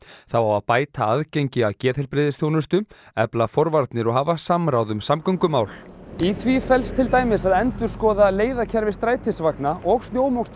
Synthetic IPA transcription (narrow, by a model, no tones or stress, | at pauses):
θawawaðpaːjt̪ʰaaðceɲcɪawcɛːtθɛlpɾɪðɪsθjownʏst̪ʏɛplafɔɾvaɾt̪nɪɾɔɣɦaːvasamɾawðʏmsamkɔŋkʏmaːwliθvifɛlst̪ʰɪlt̪aːjmɪsaðɛnt̪ʏɾ̥skɔːðaleːjðacʰɛɾvɪst̪ɾaːjt̪ʰɪsvaknaʔɔɣst̪njoːwmɔwst̪